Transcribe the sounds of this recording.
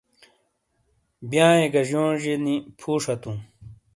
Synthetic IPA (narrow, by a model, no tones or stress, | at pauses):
bjãːeɡɐʑjõːʑenipʰuːʂɐt̪ũ